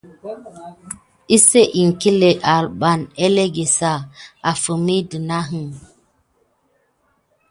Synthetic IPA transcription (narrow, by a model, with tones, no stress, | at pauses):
i˦se˦ʔi˨ŋki˦le˨ʔa˨lɓa˨ne˦le˦ɡe˨sa˦˨a˨fə˨mi˦di˨na˦ɦɨ˦˨ŋ